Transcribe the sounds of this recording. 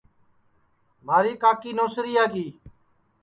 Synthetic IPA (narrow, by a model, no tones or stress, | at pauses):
maːɾiːkaːkiːnoːsɾiːaːkiː